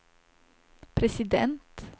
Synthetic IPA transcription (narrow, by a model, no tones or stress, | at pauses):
pʰɾɛsɪd̪ɛ̰nt̪